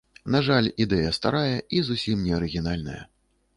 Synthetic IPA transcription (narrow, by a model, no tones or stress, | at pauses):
naʐalʲid̪ɛjɐst̪a̰ɾajɐʔizusʲimnʲɛɐɾɨɣʲinalʲnɐ̰jɐ̰